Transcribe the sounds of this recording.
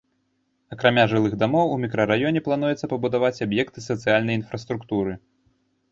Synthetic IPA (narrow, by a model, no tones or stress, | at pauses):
ɐkɾamʲaʐɨlˠɨɣd̪amɔwumʲikɾɐɾajɔnʲɛplˠanujɛt̪sɐpɐbud̪avat͡sʲabjɛkt̪ɨsɐt̪sɨjalʲnɐjin̪fɾɐst̪ɾukt̪uɾɨ